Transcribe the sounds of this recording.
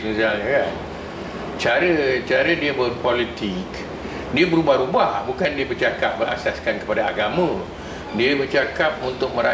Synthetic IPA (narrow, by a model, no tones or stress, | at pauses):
əŋsalɲəkan | t͡ʃaɾət͡ʃaɾədiəbərpolit̪ik | diəbəɾubahɾubahbukandiəbərt͡ʃakap̚bəɾa̰saskankə̥padaaɡamə̃ | diəbərt͡ʃakap̚unt̪ʊk̚mə̃ɾa